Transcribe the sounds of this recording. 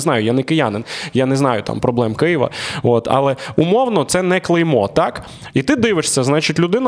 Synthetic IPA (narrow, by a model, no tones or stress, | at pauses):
znɑjʊjanɛkɪjanɪnjanɛznɑjʊt̪ɑ̰mpɾɔblˠɛmkɪjɪʋɐ̰ot̪ʰɑ̰lˠɛumɔwnɔt̪sɛnɛklˠɪjmɔ̰t̪ɑk | it̪ɪd̪ɪʋɪʂsʲɐznɑt͡ʃitʲlʲʊd̪ɪnɐ